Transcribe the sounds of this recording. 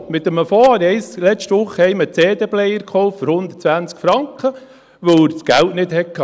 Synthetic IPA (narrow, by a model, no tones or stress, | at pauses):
mɪt̪əməfɔːɾɛɪslɛt͡ʃtʋʊχːəhɛɪmət͡seːd̪eblɛjəɾkχɔʊffɔɾhʊnd̪ətt͡sʋænt͡skfɾɑŋkχə | ʋəwsɡ̥æltnɪd̪hɛkkʰːɑ